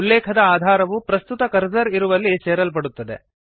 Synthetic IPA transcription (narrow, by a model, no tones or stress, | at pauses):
ulːɛːkʰɐd̪ɐaːd̪ʱaːɾɐʋupɾɐst̪ut̪ɐkɐɾd͡ʒɐɾiɾuʋɐlːit͡ʃɛːɾɐlp̬ɐɽut̪ːɐd̪ḛ